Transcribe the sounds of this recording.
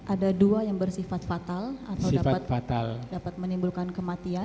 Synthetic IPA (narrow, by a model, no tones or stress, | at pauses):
ʔadaduajaŋbərsifat̪̚fat̪alat̪awiafaat̪̚fat̪aldapat̪̚mənimbulkankəmat̪ia